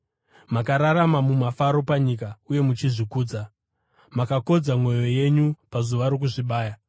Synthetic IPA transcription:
makaɾaɾamamumafaɾo̞paɲikauje̞mut͡ʃiʐikuːd͡za | makako̞d͡zamwo̞jo̞je̞ɲupazuʋaɾo̞k̬uʐiɓaːja

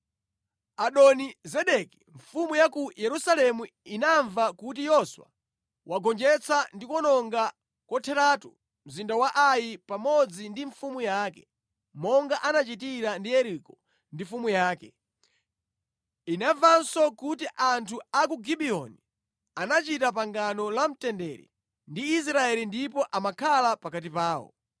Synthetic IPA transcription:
aɗɔnizɛɗɛki̥ɱ̩fumujakujɛɾusalɛmu | inaɱvakut̬ijɔswa̰ | wʔaɡɔnd͡ʒɛt͡sʰandikɔnɔŋɡa | kɔtʰɛɾatu | m̩zindawaʔajipamɔd͡zindiɱfumujaːkɛ̥ | mɔŋɡaʔanat͡ʃitiɾandijɛɾikɔ | ndifumujaːkɛ | inavansɔkutiʔantʰuakuɡiɓiɔni | anat͡ʃitap̬aŋɡanɔlam̩tɛndɛɾḭ | ndiːs̬ɾaɛlindipɔʔamakʰalapakat̬ipaːwɔ̰

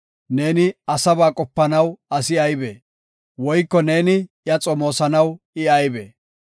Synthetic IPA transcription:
ne̞ːnɪɐsɐbaːkʼɔpːɐnɐwɐsɪɐjbeː | wɔjkːɔne̞ːnɪjɐt͡sʼɔmo̞ːsɐnɐw | ɪɐjbɛ̰ː

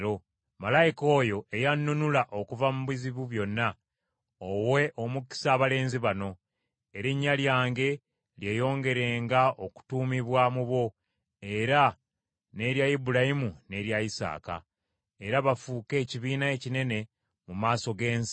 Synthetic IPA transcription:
o | malajiko̞ːjo̞ʔe̞janːunulaʔo̞kuvamuβiziβuβjo̞nːa | owe̞ʔo̞muki̥saːβale̞ːnziβano̞ | e̞ɾiɲːaljaːŋɡe̞ | lje̞ːjo̞ːŋɡe̞ɾe̞ːŋɡao̞ku̥tuːmiβwamuβo̞ | e̞ɾa | ne̞ɾjajibuɾaimune̞ɾjaisa̰ːka̰ | e̞ɾaβafuːke̞ːciβiːnaecine̞ne̞ | mumaːso̞ɡe̞ːns

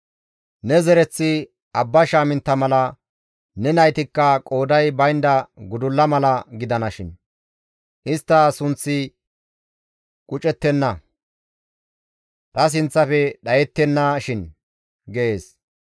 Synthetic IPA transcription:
nɛzɛɾɛt͡sːɪ | ɐbːɐʃaːmɪnt̪ːɐmɐlɐ | nɛnɐjt̪ɪkːɐkʼo̞ːd̪ɐjbɐjnd̪ɐɡʊd̪ʊlːɐmɐlɐɡɪd̪ɐnɐʃɪn | ʔɪst̪ːɐsʊnt͡sːɪ | kʼʊt͡ʃʼɛt̪ːɛnːɐ | t̪ɐs̬ɪnt͡sːɐfɛɗɐjɛt̪ːɛnːɐʃɪn | ɡɛʔeːs

